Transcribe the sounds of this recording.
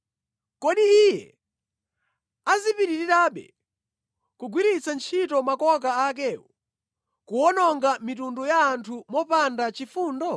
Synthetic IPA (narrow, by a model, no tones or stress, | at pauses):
kɔɗiijɛ̰ | azipiɾiɾiɾaːɓɛ̰ | kuɡwiɾit͡sant͡ʃʰitɔmakɔk̬aak̬ɛːwɔ | kuwɔnɔŋɡamitundɔjaːntʰumɔpandat͡ʃifuːndɔ